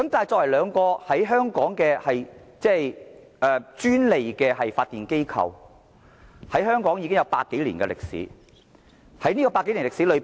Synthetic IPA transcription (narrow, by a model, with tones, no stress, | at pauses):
kɐ˦˥mt̪a˨jt͡sɔː˧k̚wɐ˨˩jlœː˨˧ŋkɔː˧hɐ˨˥jɦœː˥ŋkɔː˨˥ŋkɛː˧hɐ˨jt͡sɛ˥˩j | ʔɛː˧t͡ʃyː˥nle˨jkɛː˧hɐ˨jfaː˧t̪ːiː˨nke˥jkʰɐ̰˨˧w | hɐ˨˥jhœː˥ŋkɔː˨˥ŋji˨˧kɪ˥ŋjɐ˨˧wpa̰ː˧t̚kːe˨˥jliː˨˩nkɛ̰˧lɪ˨k̚sḭː˨˥ | hɐ˨˥jniː˥kɔ˧paː˧tke˨˦jli˨˩lɪ˨k̚siː˨˥lɵ˨˧